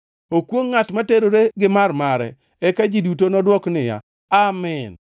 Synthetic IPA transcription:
okwoŋːatmateɾoɾeɡɪmarmaɾɛ̰ | ɛkad͡ʒidutonɔdwɔknɪja̰ | amɪn

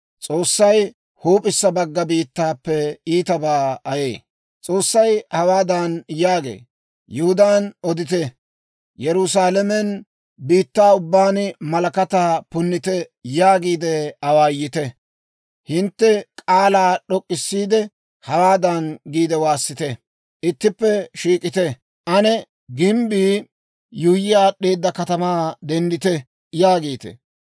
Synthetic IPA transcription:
t͡sʼoːsːɐj | huːpʼɪsːɐbɐɡːɐbiːt̪ːaːpːɛiːt̪ɐbaːɐjeː | t͡sʼo̞ːsːɐjhɐwaːd̪anjaːɡḛː | jʊhʊd̪aːnɔd̪ɪt̪ɛ | jɛɾʊs̬aːlɛmɛn | biːt̪ːaːʊbːaːnmɐlɐkɐt̪aːpʊnːɪt̪ɛjaːɡiːd̪ɛɐwaːjːɪt̪ɛ | hɪnt̪ːɛkʼaːlaːɗɔkʼːɪsːiːd̪ɛ | hɐwaːd̪ɐnɡiːd̪ɛwaːsːɪt̪ɛ | ʔɪt̪ːɪpːɛʃiːkʼɪt̪ɛ | ʔɐnɛ | ɡɪmbiː | jʊjɪjaːɗeːd̪ːɐkɐt̪ɐmaːd̪ɛnd̪ɪt̪ɛ | jaːɡiːt̪ɛ̰

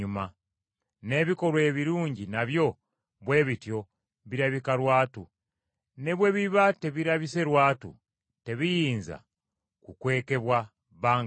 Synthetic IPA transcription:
uma | ne̞βiko̞ɾwe̞ːβiɾuːɲɟinaβjo̞ | βwe̞ːβitjo̞ | βiɾaβikaɾwaːtu | ne̞βwe̞βiβate̞βiɾaβise̞ɾwaːtṵ | te̞βijiːnza̰ | kukwe̞ːke̞βwa | βaːŋ

